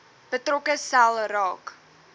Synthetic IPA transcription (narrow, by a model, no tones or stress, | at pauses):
b̥ətrɔkəsælˠrɑːk